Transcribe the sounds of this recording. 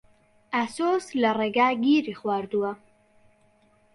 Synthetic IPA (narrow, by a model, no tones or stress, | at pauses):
ʔasoːslɐreːɡaːɡiːɾiχwaːɾd̪uwɐ